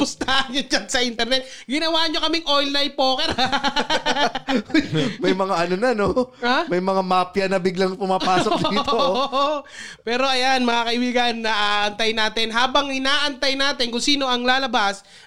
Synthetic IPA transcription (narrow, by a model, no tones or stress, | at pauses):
pʊst̪aːʔɐnɲod͡ʒansɐʔɪnt̪ɛɾnɛt̪̚ɡɪnɐwaːʔɲo̞kɐmɪŋʔojlːajpoːkɛɾa | mɐjmɐŋaʔɐnonɐnoamɐjmɐŋamaːpjɐnɐbɪɡlɐŋpʊmaːpaːsoooʔopɛːɾo̞ʔɐjanmɐŋakɐʔɪbiːɡɐnːɐʔaːʔɐnt̪ɐjnaːt̪ɛnɦaːbɐŋɪnaːʔɐnt̪ajnaːt̪ɛnkʊŋsiːno̞ʔɐŋlaːlɐbas